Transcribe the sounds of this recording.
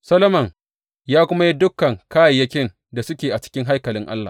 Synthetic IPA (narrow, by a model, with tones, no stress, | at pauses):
sɐ˦lɐ˦mɐ˨ŋ | jaː˦kʷʊ˦ma˦ji˦dʊ˦kːɐ˨ŋkaː˦jɐ˨jːɐ˦kʲɪ˦n | da˨sʊ˦kʲeː˨ʔa˨t͡ʃɪ̥˦kʲɪ˦ŋɦa˦jkɐ˨lɪ˦ŋʔa̰˦lːa̰ː˨